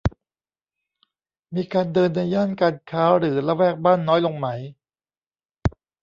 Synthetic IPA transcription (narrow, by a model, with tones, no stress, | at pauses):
miː˧kaː˧ndɤː˧nːa˧jaː˥˩nkaː˧nkʰaː˦˥ɾɯː˩˦la˦˥wɛː˥˩k̚baː˥˩nːɔː˦˥jlo˧ŋma˦˥j